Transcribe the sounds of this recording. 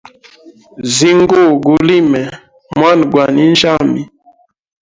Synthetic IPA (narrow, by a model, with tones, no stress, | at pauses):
zi˦ŋ˦ɡo˦˨ɡu˨li˦mɛ˨ | mwa˦˨n˨ɡwa˨ni˦n̩˦d͡ʒa˦mi˨